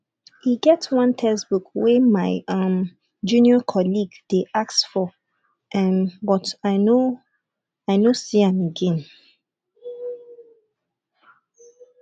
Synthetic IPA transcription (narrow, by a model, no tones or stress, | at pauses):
hiɡɛtwʌ̃ntʰɛsbukwɛmaɪʌ̃m | d͡ʒũniɔkʰɔliɡd̥eʔaksfɔ | ʔɛ̃nbɔtaɪno | aɪnosiãməɡɛ̃n